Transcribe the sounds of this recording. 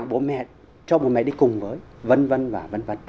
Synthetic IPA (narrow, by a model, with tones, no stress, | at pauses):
ŋɓo˨˦nmɛ̰˧˨t̚ | t͡ɕɔ˧mo˨˩mɛ̰˨˩ɗi˧˩kʊ˨˩ŋ͡mvəː˨˦jvə˧nvə˧nvaː˨˩və˧nvə˧n